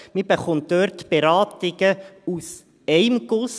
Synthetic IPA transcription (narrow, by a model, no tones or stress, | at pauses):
mib̥eχɔnt̚d̥øːɾtb̥eɾɑːtɪɡ̥əus | ɛɪmɡ̥ʊs